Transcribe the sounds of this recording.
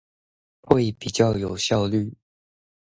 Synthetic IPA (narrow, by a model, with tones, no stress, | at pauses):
xwe˥˩ɪpi˨˩t͡ɕjɑ˥˨ʊjo˨˩ʊɕjɑ˥˧ʊly˥˨